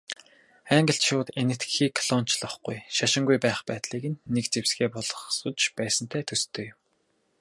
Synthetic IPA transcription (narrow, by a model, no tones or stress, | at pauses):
æŋɡə̆ɬt̪ʃʊːt̪enɘ̆t̪ɡxiːkʰːɮ̥ɔn̥t͡ɕɮə̆χɡujʃaʃɪ̆ŋɡujpæːχpæːt̪ɮiːkɘ̆nːekt͡sewsɡeːpɔɮɞ̆χsʊ̆t͡ɕpæːsə̆n̥t̪ʰæːt̪ʰɵst̪ʰɵːjm